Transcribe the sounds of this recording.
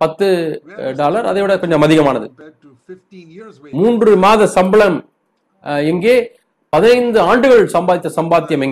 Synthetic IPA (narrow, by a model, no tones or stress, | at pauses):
pɐt̪ːɯɖaːlɐɾɐðɐʋɪɽɐkɔɲd͡ʒɔmɐðɪɣɐmaːnɐðɯ̰ | muːndrɯmaːðɐsɐmbɐɭɐm | ɛŋɡeː | pɐðɪnɐɪnd̪ɯaːɳɖɯɣɐɭsɐmbaːðɪt̪ːɐsɐmbaːt̪ːɪjɐmɛŋɡ